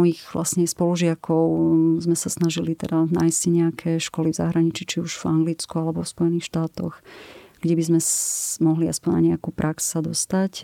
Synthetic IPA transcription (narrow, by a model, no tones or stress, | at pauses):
ɔjiɣvlʔa̰sɲɛspɔluʒɪakʰɔʊzmɛsasnaʒilit̪ɛd̪anajsciɲɛakʰɛʃkɔlivza̰ɦɾaɲit͡ʃiːt͡ʃiuʒ̥vaŋɡlit͡skualɛbɔfspɔjɛniːxʃt̪aːt̪ɔ̰xɡ̥ɟɛbizmɛmɔɦliaspɔɲna̰ɲɛakuːpɾʔaksad̪ɔst̪ac